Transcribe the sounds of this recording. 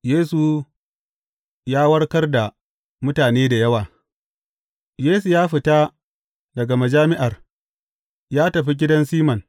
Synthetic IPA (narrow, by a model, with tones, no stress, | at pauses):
jeː˦su˨ | jaː˦wɐ˦rkɐ˦rda˨ | mʊ˦taː˨neː˦da˨jɐ˦waː˨ | jeː˦su˨jaː˦ɸɪ˨ta˦ | dɐ˨ɡa˨ma˨d͡ʒaː˦mɪ˦ʔa˨r | jaː˦tɐ˨ɸi˦ɡʲɪ˦dɐ˦nsiː˦mɐ˨n